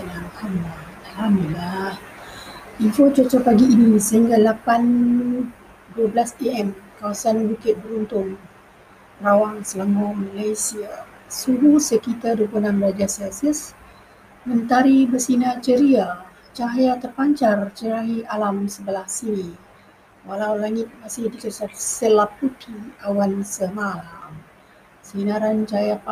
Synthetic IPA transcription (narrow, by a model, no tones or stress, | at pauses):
anahamla | alamilah | infot͡ʃɔt͡ʃɔpaɡiːnisəɦiŋɡalapan | duəblasiɛmkawasanbukɪt̪̚bəɾunt̪ʊŋ | rawaŋsələŋɔmalajsia | suɾusəkit̪aduəplunamɡəɾad͡ʒasansəs | mənt̪aɾibəsinat͡ʃəɾia | t͡ʃaɦjat̪ərpaɲt͡ʃart͡ʃəɾaɦialamsəbəlahsini | walawlaŋɪt̪̚masɪhdikəsasəlap̚ːukʰiawansəmalam | sinaɾant͡ʃajap